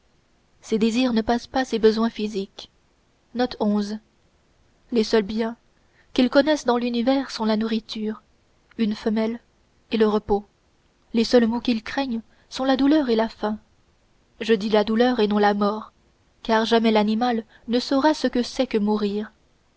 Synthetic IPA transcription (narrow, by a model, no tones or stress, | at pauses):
sed̪eziʁnəpaspasebəzwɛ̃fizik | nɔt̪ʰɔ̃z | lesœlbjɛ̃ | kʲilkɔnɛsd̪ɑ̃lynivɛʁsɔ̃lanuʁit̪ʰyːʁ | ynfəmɛl | eləʁəpo | lesœlmokʲilkχɛɲ | sɔ̃lad̪ulœʁelafɛ̃ | ʒəd̪ilad̪ulœʁenɔ̃lamɔʁ | kaʁʒamɛlanimal | nəsɔʁasəkəsɛkəmuʁiːʁ